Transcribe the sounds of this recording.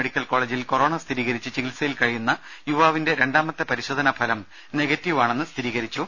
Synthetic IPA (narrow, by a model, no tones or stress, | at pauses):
eɽikʲːɐlko̞ːɭeːd͡ʑilko̞ro̞ːɳɐst̪ʰiɾiːɣɐɾit͡ɕːɨt͡ɕiɡilsɐjilkɐɻijunːɐ | juʋaːʋinde̞ɾe̞ɳɖaːmɐt̪ːɨpɐɾiɕo̞ːd̪ʱɐnɐbʰʱɐlɐm | neɡɐtːiʋaːɳe̞nːɨst̪ʰiɾiːɣɐɾit͡ɕːu